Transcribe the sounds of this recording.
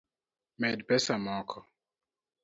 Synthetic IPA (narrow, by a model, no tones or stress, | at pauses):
mɛdpɛsamɔkʰɔ